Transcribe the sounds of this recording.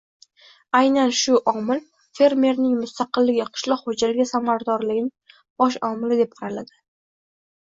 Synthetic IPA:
ajnanʃʊʔɒmɪl | fe̞ɾme̞ɾnɪŋmʊst̪aqɨlːɪɡʲɪqʰɨ̥ʃlˠɒqhod͡ʒalɪɡʲasamaɾad̪ɒɾlɪɡʲɪnɪ | bɒʃ̬ɒmɪlɪd̪ep̚qʰɑɾalad̪ɪ

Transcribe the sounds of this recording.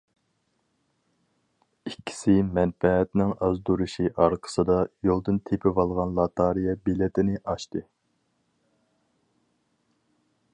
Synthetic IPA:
ikʲʰːi̥sɪmɛnfɛɛt̪nɪŋɑzd̪uɾuʃiʔɑɾqʰə̥sɨd̪ɑjolˠd̪ɨnt̪ʰepʰɪvɑlˠʁɑnlˠɑt̪ʰɑɾijɛbilɪt̪ʰɪnɪʔɑʃt̪ɨ

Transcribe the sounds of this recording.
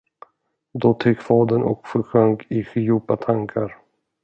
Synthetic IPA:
d̪ɔt̪ʰɪkːfɑːd̪ənʔɔ̰kfœɾɧœŋkɪɧɪjuːpat̪ʰaŋkʰaɾ

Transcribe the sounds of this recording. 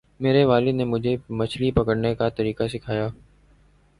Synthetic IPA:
meːɾeʋaːlɪd̪neːmʊd͡ʒʱemət͡ʃʰlipɐkəɽnekat̪ɐɾiːkasɪkʰaːjaː

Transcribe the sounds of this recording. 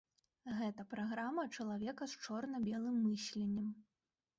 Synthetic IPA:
ɣɛt̪ɐpɾaɣɾamɐt͡ʂɐlˠavʲɛkɐst͡ʂɔrnɐbʲɛlˠɨmːɨsʲlʲenʲːɐm

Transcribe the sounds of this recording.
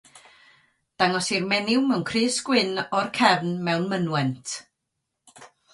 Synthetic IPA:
d̥aŋɔsirmɛnɪwmɛwnkʰrɨːsɡ̥wɪnɔrkʰɛvnmɛwnmənwɛntʰ

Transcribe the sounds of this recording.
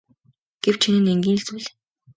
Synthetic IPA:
ɡ̥ew̥t͡ɕʰinɘ̆neŋɡʲiːnɬt͡suːɮe̥

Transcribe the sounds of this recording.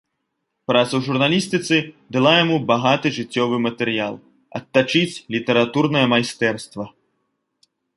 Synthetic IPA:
pɾat̪sɐwʐurnalʲist̪ɨt̪sɨd̪alˠajamubaɣat̪ɨʐɨt͡sʲːɔvɨmɐt̪ɛɾjalˠ | ɐ̰t̪ːat͡ʂɨt͡sʲlʲit̪ɛɾat̪urnɐjɐmajst̪ɛrst̪vɐ

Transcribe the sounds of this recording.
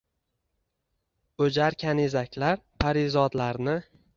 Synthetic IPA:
ɵd͡ʒaɾkʲʰanezakʲʰlaɾpʰaɾɪzɒd̪laɾnɪ

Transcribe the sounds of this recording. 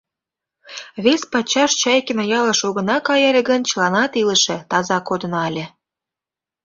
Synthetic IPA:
βespɑt͡ɕɑʃt͡ɕɑjkʲenojɑlɤ̆ʃuɣə̆nɑkɑjɑlʲĕɡə̆nt͡ɕəlɑnɑt̪ilə̆ʃĕt̪ɑzɑkod̪ə̆nɑlʲĕ

